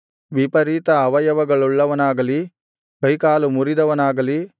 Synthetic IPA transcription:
ʋipɐɾit̪ɐːʋɐjɐʋɐɡɐɭuɭːɐʋɐnaːɡɐli | bɐjkaːlumuɾid̪ɐʋɐnaːɡɐli

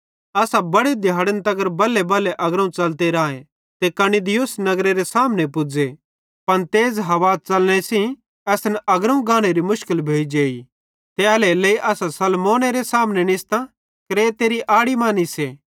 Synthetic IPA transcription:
ɐsabɐɽed̪ʱjaːɽənt̪ɐɡəɾbɐlːebɐleʔɐɡɾəũt͡ʃɐlt̪eɾãːẽ | t̪ekɐnid̪ɪjʊsnɐɡɾeɾesaːmnepʊd͡ze | pɐɽ̃t̪eːd͡zɦɐʋaːt͡ʃɐlñesĩ | ɛsnɐɡɾəũɡãːɽ̃eɾimʊʃkɪlbʱeːid͡ʒeːi | t̪eɐleleːiʔɐsasɐlmoːneɾesaːmnɛnɪst̪ã | kɾeːt̪eɾiʔaːɽimaːniseː

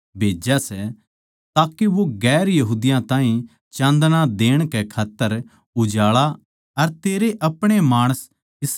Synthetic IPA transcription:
bʱeːd͡ʒasɛ | t̪aːkeʋoɡɛːɾjɐɦuːd̪ɪjãt̪ãːɦĩ | t͡ʃãːnd̪nãd̪eːɽ̃kɛkʰaːt̪ːəɾ | ʊd͡ʒaːɭa | ɐɾt̪eːɾeʔɐpɽ̃emaːɽ̃əs | ɪs

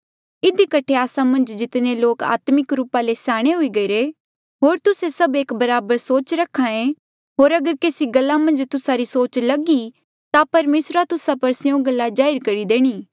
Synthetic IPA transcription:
ɪd̪ikɐʈʰːeaːsamɐ̃nd͡ʒd͡ʒɪt̪neloːka̰ːt̪mɪkɾuːpalesaːɽ̃eɦʊiɡɐɾe | ɦoːɾt̪ʊsesɐbeːkbɐɾaːbəɾsoːt͡ʃɾɐkʰːãẽ | ɦoːɾɐɡəɾkeːsiɡɐlːamɐ̃nd͡ʒt̪ʊsaɾisoːt͡ʃlɐɡi | t̪apɐɾmeːsɾat̪ʊsapɐɾsjõɡɐlːad͡ʒaːɪɾkɐɾid̪eːɽ̃iː

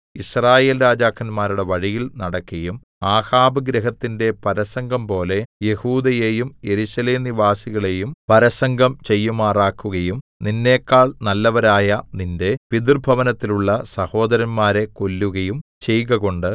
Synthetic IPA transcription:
israːje̞ːlɾaːd͡ʑaːkʰːɐnmaːɾuɽe̞ʋɐɻijilnɐɽɐkːɐjum | aːhaːbɐɡɾɐɦɐt̪ːinde̞pɐɾɐsɐŋɡʱɐmpo̞ːle̞je̞huːd̪ɐje̞jumje̞ɾusɐle̞ːmniʋaːsiɣɐɭe̞jumpɐɾɐsɐŋɡʱɐmt͡ɕe̞jːumaːraːkːuɣɐjumninːe̞ːkːaːɭnɐlːɐʋɐɾaːjɐninde̞pid̪urbʱɐʋɐnɐt̪ːiluɭːɐsɐho̞ːd̪ɐɾɐnmaːɾe̞ko̞lːuɣɐjumt͡ɕe̞jɣɐɣo̞ɳɖɨ

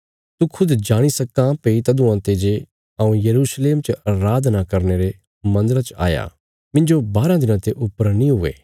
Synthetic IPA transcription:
t̪ukʰʊd̪d͡ʒaːɽ̃isɐkãpeit̪ɐd̪ũãt̪eːd͡ʒe | ãːũjɐɾuːsleːmt͡ʃəɾaːd̪nakɐɾneɾe | mɐ̃nd̪əɾat͡ʃa̰ːja̰ | mɪ̃ɲd͡ʒobaːɾãd̪ɪnãt̪eʔʊpːəɾnĩɦʊḛː

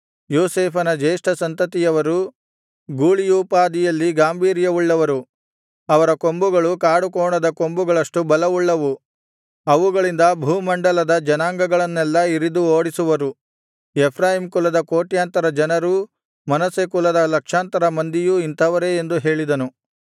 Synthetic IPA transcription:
joːseːpʰɐnɐd͡ʒeːʂʈʰɐsɐnt̪ɐt̪ijɐʋɐɾu | ɡuːɭijuːpaːd̪ijɐlːiɡaːmbʱiːɾjɐʋuɭːɐʋɐɾu | ɐʋɐɾɐko̞mbuɡɐɭukaːɽukoːɳɐd̪ɐko̞mbuɡɐɭɐʂʈubɐlɐʋuɭːɐʋu | ɐʋuɡɐɭind̪ɐbʱuːmɐɳɖɐlɐd̪ɐd͡ʒɐnaːŋɡɐɡɐɭɐnːɛlːɐiɾid̪uoːɽisuʋɐɾu | epʰɾaːjimkulɐd̪ɐkoːʈjaːnt̪ɐɾɐd͡ʒɐnɐɾu | mɐnɐsekulɐd̪ɐlɐkʂaːnt̪ɐɾɐmɐnd̪ijuint̪ʰɐʋɐɾe̞end̪uɦe̞ːɭid̪ɐnu

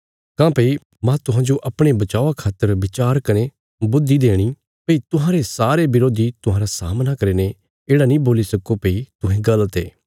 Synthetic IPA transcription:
kãːpei | mãt̪ʊɦãːd͡ʒoʔɐpɽ̃ebɐt͡ʃaːakʰaːt̪ːəɾʋɪt͡ʃaːɾkɐne | bʊd̪ːid̪eːɽ̃i | peit̪ʊɦãːɾesaːɾebɪɾoːd̪it̪ʊɦãːɾasa̰ːmnakɐɾeːne | eːɽanĩboːlisɐkopeit̪ʊɦẽɡɐlt̪ḛː

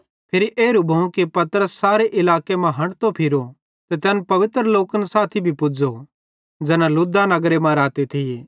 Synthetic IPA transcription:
pʰɪɾiʔeːɾubʱɐũkipɐt̪əɾəsːaːɾeʔɪlaːkemɐ̃ɦɐ̃ɽt̪opʰɪɾo | t̪et̪ɛːnpɐʋɪt̪ɾəloːkənsaːt̪ʰibʱipʊd͡ʒo | d͡ʒɛːnãlʊd̪anɐɡɾemɐ̃ɾaːt̪et̪ʰijeː

